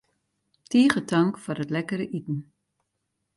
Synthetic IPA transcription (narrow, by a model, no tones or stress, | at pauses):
tʰiːχətʰaŋkfʊːrətlɛkəɾəʔitn̩